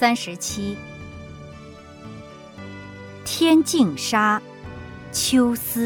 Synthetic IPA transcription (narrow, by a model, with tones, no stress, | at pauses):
sa˥nʂɻ̩˧˥t͡ɕʰi˥ | t̪ʰjɛ˥nt͡ɕi˥˩ŋʂa˥ | t͡ɕʰjo˥ʊsɹ̩˥